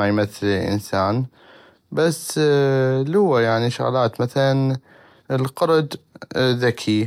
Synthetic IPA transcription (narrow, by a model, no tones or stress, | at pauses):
ajmaθːɪllʔɪ̰nsaːn | basː | lʊwːajaʕniʃʊ̰ɣlaːt̪maθalan | lqɑɾˤd̪ðakʰi